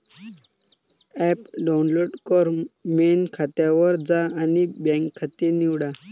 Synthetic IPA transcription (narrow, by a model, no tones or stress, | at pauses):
ɛpɖaunloɖkɔɾmenkʰat̪jaʋəɾd͡zaanibɛ̃ŋkʰːat̪eniʋɽa